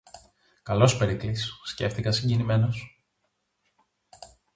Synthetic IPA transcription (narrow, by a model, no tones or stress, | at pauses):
kɐlo̞spe̞ɾiklisːce̞̰fθikɐsiɲɟinime̞no̞s